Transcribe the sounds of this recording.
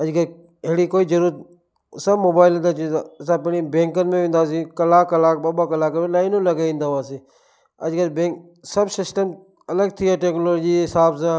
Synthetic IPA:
əd͡ʒɡəɾ | eɽiːkoːiːd͡ʒəɾuːɾət̪̚ | səbmoːbaːɪlənd̪aːt͡ʃʰit̪sãːpeɽ̃ibẽːŋkənmẽːʋẽːnd̪aːs̬ĩːkəlaːkəlaːk̚baːbaːkəlaːkənmẽlaːɪnõləɡaĩːnd̪aːʋaːsiː | ə̰d͡ʒɡəɾbẽːk | səbsɪsʈəm | ələɡ̚t̪ʰɪaːʈeːknoːloːd͡ʒiːɦɪsaːbs̬ãː

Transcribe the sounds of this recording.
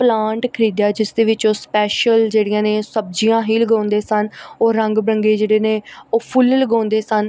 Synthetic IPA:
plãːɳʈkʰəɾiːd̪jaːd͡ʒɪsd̪eːʋɪt͡ʃoːspɛːʃəld͡ʒeːɽɪjãːnẽːsəb̚d͡ʒijãːɦiːləɡãːnd̪eːsənoːɾəŋɡbɾəŋɡeːd͡ʒeːɽeːneːoːpʰʊlləɡãːnd̪eːsən

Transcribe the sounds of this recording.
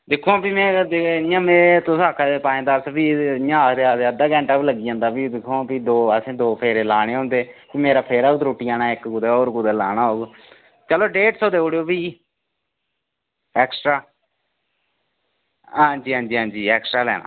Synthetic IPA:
d̪ɪkʰːõːpimɛ̃ːd̪ɪjãːmẽːt̪ʊsaːkʰad̪epaːẽːd̪aːɾsbiːjãːt̪eaːt̪eəd̪aːkɛ̃ːɳʈaːbləɡiːãːnd̪aːpiːd̪ɪkʰːõːpiːd̪oːəsẽːd̪oːpʰeːɾeːlaːɽ̃eːɦõːnd̪eːpiːmeːɾaːpʰeːɾaːʊt̪ɾoːʈiːaːnaːɪkɡʊd̪eːoːɾɡʊd̪eːlaːnaːɦoːɡ | t͡ʃəloːɖeːʈsoːd̪eːoːɽejoːpiː | ɛːksʈɾaː | ɦãːɲd͡ʒiːɦãːd͡ʒiːɦãːnd͡ʒiːɛːksʈɾaːlɛ̰ːna̰ː

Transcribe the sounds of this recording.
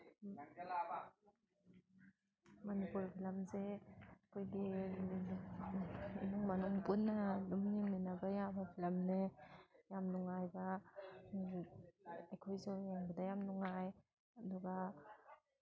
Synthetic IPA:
mɐnipuɾpʰilɐmzeɐkʰojɡi | nuŋmɐnuŋpunːɐlumniminabajabapʰilɐmnejamnuŋajbɐ | ajkʰojzaweŋbɐdajamnuŋaj | ɐduɡa

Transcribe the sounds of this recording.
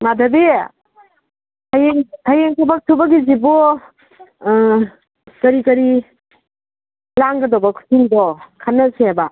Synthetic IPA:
madʱɐbe | tʰajeŋtʰajeŋtʰabɐk̚tʰubɐɡizibɔ | kɐɾikɐɾi | laŋɡɐdɔbɐkʰu̥tʰuŋdɔkʰanːɐseaba

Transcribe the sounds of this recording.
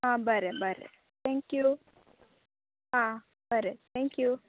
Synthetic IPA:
ɦãbɐɾebɐɾḛ | t̪ʰɛ̃ŋkju | ɦã | bɐɾet̪ʰɛ̃ŋkju

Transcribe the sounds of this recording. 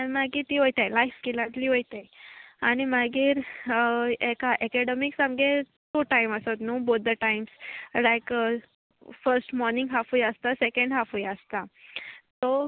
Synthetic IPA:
aimaɡiːt̪iːɦojt̪ajlajfkilãt̪liːɦojt̪ajaɽ̃imaɡiːɾ | ekaʔɛkɛɖemiksamɡet̪oʈajməsot̪nũːbot̪̚d̪əʈajmslajk | fəɾsʈmɔɾnĩŋɡɦafuːjəst̪asekə̃ɳɖɦafuːjəst̪at̪ɔ

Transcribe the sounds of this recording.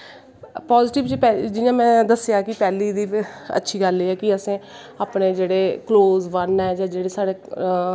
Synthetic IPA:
paːzɪʈɪʋt͡ʃpɛd͡ʒɪjãːmɛ̃ːd̪əsjaːkɪpɛːliːd̪iːə̰tːʃʰiːɡəleːɛːkɪəsẽː | aːpneːd͡ʒeːɽeːkloːzʋənɛːd͡ʒãːd͡ʒeːɽeːsaːɽeː

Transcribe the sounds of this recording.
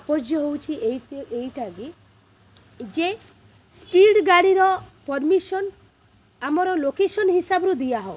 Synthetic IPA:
apɔd͡ʒjɔɦowt͡ʃʰieejʈʰaɡi | d͡ʒe | spiɖɡaɽiɾɔpɔɾmisɔn | amɔɾɔlokesɔnɦisabɔɾud̪ijaɦɔo

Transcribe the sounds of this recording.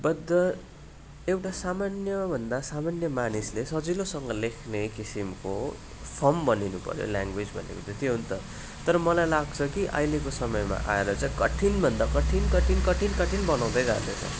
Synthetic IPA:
bʌd̪ːʌ | ewʈasamanjʌbʱʌnd̪asamanjʌmanislesʌd͡zilosʌŋɡʌlekʰnekisimko | pʰʌmbʌninupʌ̰ɾjo̰ljaŋɡwed͡zbʱʌ̰nḛkot̪et̪ʰiɦunt̪ʌ | t̪ʌɾʌmʌlajlaɡ̚t͡sʰʌkiʔa̰jlekosʌmʌjma̰ʔa̰eɾʌt͡saĩkʌʈʰinbʱʌnd̪akʌʈʰinkʌʈʰinkʌʈʰinkʌʈʰinbʌnaw̃d̪ʌjd͡za̰rd̪ʌ̰t͡sʰʌ̰

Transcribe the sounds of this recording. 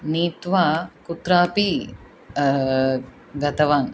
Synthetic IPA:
niːt̪ʋakut̪ɾaːpi | ɡɐt̪ɐʋaːn

